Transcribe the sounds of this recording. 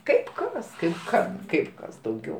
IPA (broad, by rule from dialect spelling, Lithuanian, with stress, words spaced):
ˈkɐɪp ˈkɐs ˈkɐɪp ˈkɐm ˈkɐɪp ˈkɐs dɐʊˈɡʲɛʊ